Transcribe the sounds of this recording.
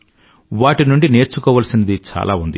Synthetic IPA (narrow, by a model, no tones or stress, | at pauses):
ʋaːʈinuɳɖine̞ːɾt͡ʃukɔːʋɐːlɐsinɐd̪it͡ʃa̰ːlʔa̰ːund̪i